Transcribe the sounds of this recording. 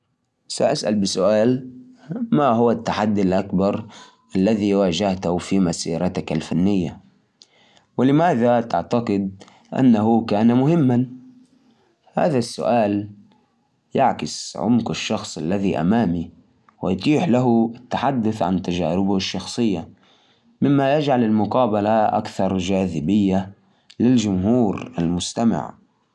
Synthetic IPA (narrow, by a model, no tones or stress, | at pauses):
saʔasʔa̰lbɪsʊʔaːl | maɦʊwat̪ːaħad̪ːalʔakbɑɾˤ | ʔalːaðiwaːd͡ʒaht̪ʊfimasiːɾˤɑt̪akalfanːɪjːa | wɪlɪmaːðat̪ɪ̰ʕt̪aqɨd̪ | ʔa̰nːaɦʊkaːnamʊɦɪmːan | ha̰ːðasːʊ̰ʔaːl | jaʕkɪsʕʊ̰mqɪʃːɑxsˤʔa̰lːaðiʔa̰maːmi | wɪjt̪ˤiːħlaɦʊɪt̪ːaħad̪ːʊθʕa̰nt̪ad͡ʒa̰ːɾɪbʊʃːɑxsˤɨjːa | mɪmːajad͡ʒʕalɪlmʊqɑːbalaʔa̰kθɑɾˤd͡ʒaːðɪbɪjːa | lɪld͡ʒʊmɦuːɾa̰lmʊst̪ama̰ʕ